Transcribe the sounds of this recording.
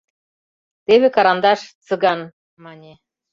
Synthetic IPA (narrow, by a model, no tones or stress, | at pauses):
t̪eβekɑɾɑnd̪ɑʃt͡sɤ̆ɡɑn | mɑnʲe